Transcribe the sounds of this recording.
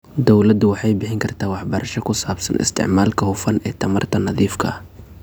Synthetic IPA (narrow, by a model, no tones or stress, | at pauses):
d̪ɔwlɐd̪ʊwɑħɑjbɪħɪŋkʰɐrt̪ʰaːwɑħbɐɾɐʃɔkʰʊsaːbsɐ̰nɪ̰st̪ʰɪ̰ʕmaːlkʰɐhʊfɐnɛːt̪ʰɐmɐrt̪ʰɐnɑðiːfkʰɐ̰ɐ